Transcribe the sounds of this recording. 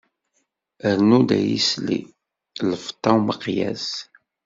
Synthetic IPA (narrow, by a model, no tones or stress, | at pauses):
əɾnud̪æjḭslḭ | ləft̪ˤːɑwməqːjæ̰z